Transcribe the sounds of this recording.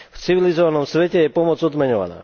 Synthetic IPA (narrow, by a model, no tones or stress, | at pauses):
ft͡siʋilizɔʋanɔmsʋɛcɛjɛpɔmɔd͡zɔd̪mɛɲɔʋa̰na̰ː